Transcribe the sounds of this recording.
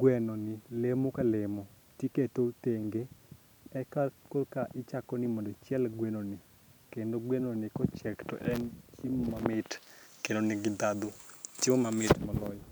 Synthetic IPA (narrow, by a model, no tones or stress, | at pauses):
ɡwɛnonɪlemokalɪmɔ | tjiketoteŋɡe | ɛkakolkaʔɪt͡ʃakɔnɪmɔndot͡ʃjɛlɡwenonɪ | kendoɡwenonɪkɔt͡ʃɛktɔ̰ʔɛnt͡ʃimmamɪtkenonɪɡɪd̪ad̪otimomamɪtmɔlɔjɔ